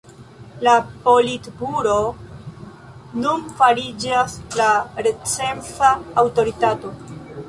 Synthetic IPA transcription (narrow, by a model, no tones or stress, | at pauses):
lapo̞litbuɾo̞ | nunfaɾid͡ʒaslaɾe̞t͡se̞mfaːwto̞ɾitato̞